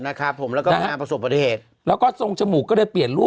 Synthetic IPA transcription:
na˦˥kʰɾa˦˥pʰːo˩˦mlɛː˦˥wkɔː˥˧˦aː˧pɾa˧so˨˩p̚ba˧t̪ʰi˧˦heː˨˩t̪̚ | lɛː˦˥wkɔː˥˩so˧ŋt͡ɕʰa˧mu˨˩kːɔː˥˩daː˧˩pli˨˩ənɾuː˥˩

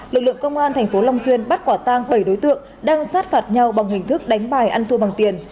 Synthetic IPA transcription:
lɨ˨˩k̚lɨ̰˧˨əŋkə˧wŋ͡mʔaː˧nt̪ʰɛ˨˩jŋ̟fo˨˦la˧wŋ͡mswi˧ənɓa˦˥t̚kwaː˧˩t̪aː˧ŋɓə˧˩jɗo˨˦jt̪ɨ̰˧˨əŋ | ɗaː˧ŋsaː˦˥t̚faː˨˩t̚ɲa˧wɓa˨˩ŋ͡mɦï˨˩ŋ̟t̪ʰɨ˦˥k̚ɗa˨˦jŋ̟ɓaː˧˩jʔa˧nt̪u˧va˨˩ŋt̪i˨˩ən

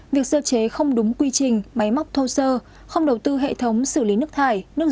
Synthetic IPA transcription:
vi˨˩ək̚səː˧t͡ɕe˨˦xə˧wŋ͡mɗʊ˨˦ŋ͡mkwi˧t͡ɕï˨˩ŋ̟ma˨˦jma˦˥wk͡p̚t̪ʰo˧səː˧ | xə˧wŋ͡mɗə˨˩wt̪ɨ˧ɦḛ˧˨t̪ʰə˨˦wŋ͡msɨ˧˩li˨˦nɨ˦˥ək̚t̪ʰaː˧˩jnɨ˦˥ək̚

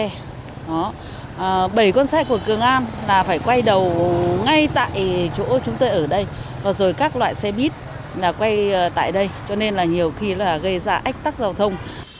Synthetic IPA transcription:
ɛ˧ | ɗɔ˨˦˨ | ɓə˧˩jkwɔ˧nsɛ˦˥ku˧˩əkɨ˨˩əŋʔaː˧nlaː˨˩faː˧˩jkwa˧jɗə˨˩wŋa˧jt̪a̰ː˧˨jt͡ɕo̰˧˥t͡ɕʊ˨˦ŋ͡mt̪o˧jʔəː˧˩ɗə˧jvaː˨˩zo˨˩jkaː˦˥k̚lwa̰ː˧˨jsɛ˧ɓi˦˥ət̚ | laː˨˩kwa˧jt̪a̰ː˧˨jɗə˧jt͡ɕɔ˧ne˧nlaː˨˩ɲi˨˩əwxi˧laː˨˩ɣə˧jzaː˧ʔa˦˥k̟̚t̪a˦˥k̚zaː˧˩wt̪ʰə˧wŋ͡m

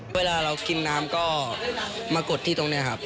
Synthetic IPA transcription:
eː˧laː˧ɾa˧wki˧nːaː˦˥mkɔː˥˩ | maː˧ko˨˩t̪ʰːiː˥˩t̪o˧ŋni˦˥ɐkʰa˦˥p̚

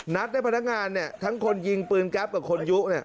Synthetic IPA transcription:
na˦˥t̪̚d̪aː˥˩pʰnːa˦˥k̚ŋaː˧nːi˦˥˩ɐt̪ʰa˦˥ŋkʰo˧nji˧ŋpɯː˧nkɛ˦˥p̚kaː˨˩p̚kʰo˧nju˦˥ʔni˥˩ɐʔ

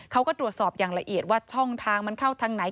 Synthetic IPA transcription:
kʰa˦˥wkɔː˥˩t̪ɾu˨˩ət̪̚sɔː˨˩p̚jaː˨˩ŋla˧ʔi˨˩ət̪̚waː˥˩t͡ɕʰɔ˥˩ŋt̪ʰaː˧ŋma˧nt̪ʰa˥˩wt̪ʰaː˧ŋna˩˦j

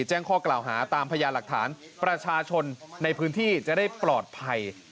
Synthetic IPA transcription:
t͡ɕɛː˥˩ŋkʰɔː˥˩klaː˨˩wɦaː˩˦t̪aː˧mpʰa˧jaː˧la˨˩k̚t̪ʰaː˩˦n | pɾa˧t͡ɕʰaː˧t͡ɕʰo˧nːa˧jpʰɯː˦˥nt̪ʰiː˥˩t͡ɕa˨˩da˥˩jplɔː˨˩t̪̚pʰa˧j

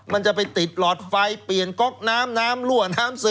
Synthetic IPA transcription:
ma˧nt͡ɕa˨˩pa˧jt̪i˨˩t̪̚lɔː˨˩t̪̚fa˧jpli˨˩ənkɔ˦˥k̚naː˦˥mnaː˦˥mlu˥˩ənaː˦˥msɯː˦˥

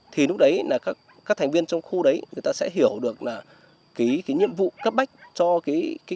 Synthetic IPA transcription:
t̪ʰi˨˩nʊ˦˥k̚ɗə˨˦jlaː˨˩kaː˦˥k̚ | kaː˦˥k̚t̪ʰŋ̟vi˧ənt͡ɕɔ˧wŋ͡mxu˧ɗə˨˦jŋɨ˨˩əjt̪aː˧sɛ̰˧˥ɦi˧˩əwɗɨ˨˩ək̚laː˨˩ | ki˨˦kaː˨˦jɲḭ˧˨əmvṵ˧˨kə˦˥p̚ɓa˦˥jk̟̚t͡ɕɔ˧kaː˨˦jka˨˦

